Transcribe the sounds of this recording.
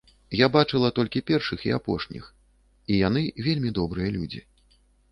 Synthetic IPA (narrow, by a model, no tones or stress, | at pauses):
jabat͡ʂɨlˠɐt̪ɔlʲkʲipʲɛrʂɨxiapɔʂnʲḭx | ijan̪ɨvʲelʲmʲid̪ɔbɾɨjɐlʲud͡zʲḭ